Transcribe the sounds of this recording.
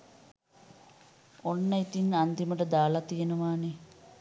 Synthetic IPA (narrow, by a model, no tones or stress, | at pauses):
onːəit̪inand̪iməʈəd̪aːlat̪ijenuʋaːne